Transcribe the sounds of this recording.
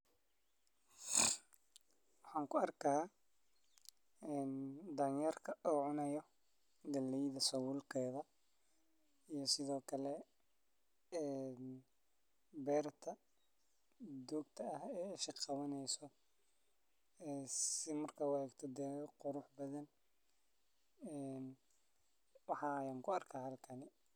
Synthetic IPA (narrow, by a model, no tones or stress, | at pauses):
wɑħɑːŋkʰʊɐrkʰɐː | ɛnd̪ɐnjɐrkʰɐʔuːʕʊnɛjɔ | ɡɐlːɛjðɐsɐwʊlkʰɛːðɐ | ijɞsɪðɔːkʰɐlɛ | ɛn | bɛːrt̪ʰɐ | d̪uːɡt̪ʰɐɐhɛːɪʃɪqɑβɐnɛjsɔ | ɛːsɪmɐrkʰɐwɛːɡt̪ʰɐd̪ɛːɣqʊɾʊħbɐðɐn | ɛːn | wɑħɑːjaːŋkʰʊɐrkʰaːhɐlkʰɐnɪ